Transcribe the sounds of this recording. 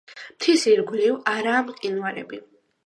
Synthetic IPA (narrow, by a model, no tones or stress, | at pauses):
m̥t̪ʰisiɾɡɾivaɾaːmqʼinwaɾɛ̰bi